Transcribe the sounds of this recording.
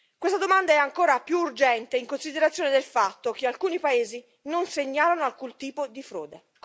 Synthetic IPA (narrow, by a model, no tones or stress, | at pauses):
kwest̪ad̪omand̪aɛaŋkoːɾapjuːrd͡ʒɛnt̪eiŋkonsid̪eɾat̪sjoːned̪elfat̪ːokealkuːnipaeːzi | nonseɲːaːlanoalkunt̪iːpod̪ifɾo̰ːd̪e